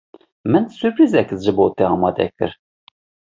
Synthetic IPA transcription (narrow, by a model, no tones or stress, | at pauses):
mɨnsupɾiːzɛkzʒɨboːt̪ɛɑːmɑːd̪ɛ̰kɨ̰ɾ